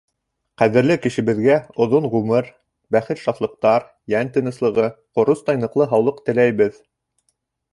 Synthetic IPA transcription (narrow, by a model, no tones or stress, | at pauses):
qæðɘ̆ɾlɘkɘ̆ʃɘ̆βɘ̆ðɡæŏðoɴʁʉmɘɾ | bæχɘt̪ʃɑθlˠɤ̆q̚t̪ɑɾ | jænt̪ɘ̆nɤ̆slˠɤ̆ʁɤqŏɾost̪ɑjnɤ̆qlˠɤɦɑwlˠɤqt̪ɘ̆læjβɘð